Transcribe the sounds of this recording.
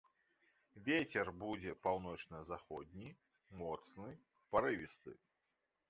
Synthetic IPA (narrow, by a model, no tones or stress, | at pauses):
vʲet͡sʲɛrbud͡zʲɛpawnɔt͡ʂnɐzaxɔd̪̚ʲnʲi | mɔt̪snɨ | paɾɨvʲist̪ɨ̰